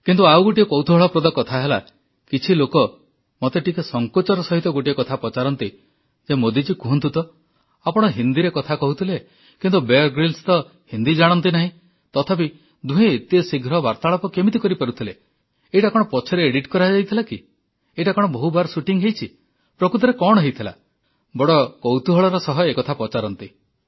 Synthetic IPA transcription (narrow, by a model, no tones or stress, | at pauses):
kint̪uawɡoʈiekɔwt̪ʰɔbɔɭɔpɾɔd̪ɔkɔt̪ʰaɦela̰ | kit͡ʃʰilokɔ | mɔt̪eʈikesɔŋkɔt͡ʃɔɾɔsɔɦit̪ɔɡoʈiekɔt̪ʰapɔt͡ʃaɾɔnt̪i | d͡ʒemod̪id͡ʒikuɦɔnt̪ʰut̪ɔ | apɔɽ̃ɔɦind̪iɾekɔt̪ʰakɔɦut̪ʰile | kint̪ubeɾɡɾilst̪ɔ | hind̪id͡ʒaɽ̃ɔnt̪inaɦĩ | t̪ɔt̪ʰapi | d̪ũɦẽet̪iesiɡʱɾɔbaɾt̪aɭɔpɔkemit̪ikɔɾipaɾut̪ʰile | ejʈakɔɽ̃ɔpɔt͡ʃʰɔɾeːɽiʈkɔɾaɦd͡ʒajt̪ʰilaki | ejʈakɔɽ̃ɔbɔɦubaɾsuʈiŋɦejt͡ʃʰi | pɾɔkut̪̬ɔɾekɔɽɔɦejt̪ʰila̰ | bɔɽɔkɔwt̪uɦɔɭɔɾɔsɔɦɔekɔt̪ʰapɔt͡ʃaɾɔnt̪i